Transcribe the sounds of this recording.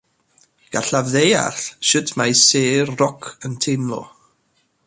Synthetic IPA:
ɡ̥aɬavðeja̰rɬʃɨdʰmajseːrːɔkʰəntʰenlˠɔ̰

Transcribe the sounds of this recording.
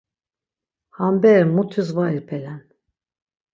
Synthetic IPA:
hambɛɾmut̪ʰyzvaiɾpʰelʲæn

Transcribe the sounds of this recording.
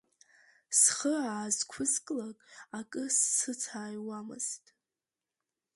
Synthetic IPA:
sχəaːzkʷʰʊzkʼlakʼakʼɨsːɨt͡sʰaːjwamɨ̰z̥tʼ

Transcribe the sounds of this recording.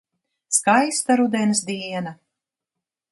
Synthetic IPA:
skajst̪aɾud̪ɛnsd̪iɛna

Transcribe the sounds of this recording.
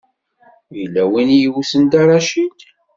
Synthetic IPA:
ilːæwinjiwusənd̪ɑɾˤɑʃid̪

